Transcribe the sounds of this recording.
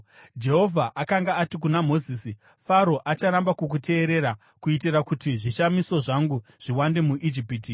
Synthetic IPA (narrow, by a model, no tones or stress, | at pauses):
d͡ʒe̞ɦo̞vʱaʔakaŋɡaːtik̬unamo̞ziːsi | faɾo̞ʔat͡ʃaɾambakuk̬utʰe̞ːɾe̞ɾa | kuitiɾakutiʐiʃamiso̞ʐaŋɡuʐ̥iwande̞muʔid͡ʒipiːti